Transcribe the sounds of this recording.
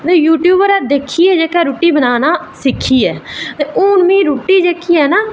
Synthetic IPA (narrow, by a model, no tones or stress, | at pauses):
t̪eːjuːʈjuːbəɾɛːd̪eːkʰːiːɛːd͡ʒeːkɛːɾuːʈiːbənaːnaːsɪkʰːiːɛːt̪eːʔoːnmĩːɾuːʈiːd͡ʒeːkʰːiːɛːnaː